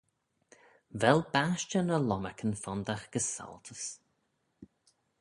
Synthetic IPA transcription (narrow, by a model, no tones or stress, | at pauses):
vɛlbaʃt͡ʃənəlɔmakʰənfɔnd̪axɡ̥əsa̰lˠt̪ʰəs